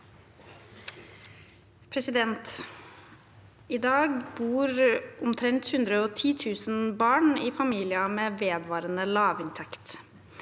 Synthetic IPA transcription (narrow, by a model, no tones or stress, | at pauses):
pʰɾɛsɪd̪ɛnt̪ | iːd̪ɑːɡbuːɾʔʊmt̪ʰɾɛnt̪hʉnd̪ɾəɔːt̪ʰiːt̪ʰʉːsn̩bɑːɳiːfɑmiːlɪɑmeːʋeːd̪ʋɑːɾənəlɑːʋɪnt̪ʰɛkt̪